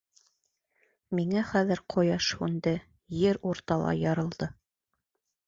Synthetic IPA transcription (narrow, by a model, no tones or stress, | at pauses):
miŋæχæðɘ̆ɾqʰŏjɑʃhʉnd̪ɘ | jɘɾuɾt̪ɑlˠɑ̰jɑɾɤ̆lˠd̪ɤ